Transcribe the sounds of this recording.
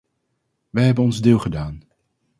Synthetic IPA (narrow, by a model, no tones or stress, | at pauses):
ʋɛjɦɛbənɔnzdɪːlˠχədaːn